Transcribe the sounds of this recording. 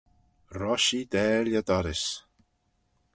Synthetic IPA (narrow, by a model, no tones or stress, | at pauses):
rɔʃid̪ɛːljad̪aɾɪs